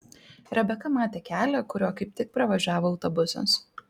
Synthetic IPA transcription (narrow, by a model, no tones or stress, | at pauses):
ɾɐbʲɛkɐmɑːt̪ʲeːkʲæːlʲɛːkʊɾʲoːkɐɪp̚t̪ʲɪk̚pɾɐʋɐʒʲæːʋoːɐʊt̪ɔbʊsʲɐ̰s